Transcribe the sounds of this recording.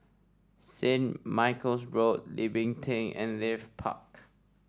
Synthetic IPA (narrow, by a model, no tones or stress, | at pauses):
sẽnmaɪkəlsɹot̚livɪ̃ŋtʰẽŋɛ̰̃nlɛfpʰa̰k